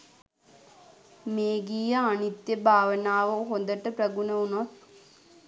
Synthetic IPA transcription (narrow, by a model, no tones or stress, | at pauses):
meːɡiːjəanit̪jəbʱaːʋənaːʋəɦond̪əʈəpɾɐɡunəunat̪